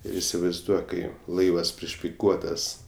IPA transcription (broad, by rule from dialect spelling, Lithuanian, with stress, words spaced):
ˈɪr ɪsʲɪʋɐɪzˈduɔk ˈkɐɪ ˈlˠɐɪʋɐs pʲrʲɪʃʲpʲɪˈkuɔtɐs